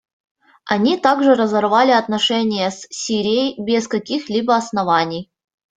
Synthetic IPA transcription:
ɐnʲit̪aɡʐɨɾəzɐrvalʲɪɐt̪nɐʂɛnʲɪjəssʲiɾʲɪjəjbʲɪskɐkʲixlʲibəɐsnɐvanʲɪj

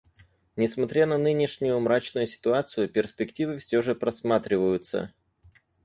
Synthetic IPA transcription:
nʲɪsmɐt̪ɾʲanɐnɨnʲɪʂnʲʊjʊmɾat͡ɕnʊjʊsʲɪ̥t̪ʊat̪sɨjʊpʲɪrspʲɪktʲivɨfsʲɵʐɨpɾɐsmat̪ɾʲɪvəjʊt̪sə̰

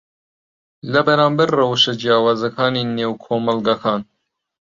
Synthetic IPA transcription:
lɐbɐɾɑːmbɐɾːɐwʃɐd͡ʒijɑːwɑːzɐkʰɑːnineːwkʰoːmɐlɡɑkʰɑːn

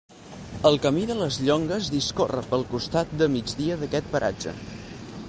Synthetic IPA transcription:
əlˠkəmiðələzʎɔŋɡəzðiskorə̰pəlˠkust̪at̪̚d̪əmid͡ʒdiəðəkɛt̪̚pəɾʔa̰d͡ʒə̰

